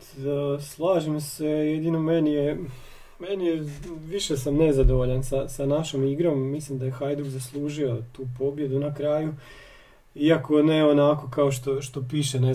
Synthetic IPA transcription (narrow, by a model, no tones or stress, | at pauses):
slˠaːʒimse̞jed̪inomenije | menijeʋiʃesamne̞zad̪oʋoʎansasanaʃomiɡɾo̞mːislimd̪ajexajd̪uɡzaslˠuːʒio̞t̪uːpo̞bje̞d̪unakɾaːju | iako̞neo̞nako̞kaoʃt̪o̞ʃt̪o̞piːʃene